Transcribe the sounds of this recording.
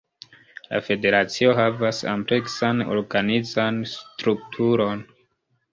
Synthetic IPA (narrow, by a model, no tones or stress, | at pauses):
la̰fe̞de̞ɾat͡sio̞ɦavasa̰mple̞ksano̰ɾɡanizanstɾuk̚tʰuɾo̞n